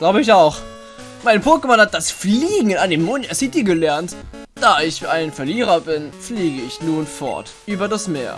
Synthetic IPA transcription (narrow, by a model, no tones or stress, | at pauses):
ɡ̥laʊbəɪç̬aʊx | maɪnpʰʊɐkəmanhat̚d̥asfliːɡŋ̩andemːʊntʔɛsz̥iːtiːɡəlɛɐnt | d̥aːɪçʔaɪnfɛɐliːʁɐbɪnfliːɡəɪçnuːnfɔ̰ɐtʔyːbɐdasmeːɐ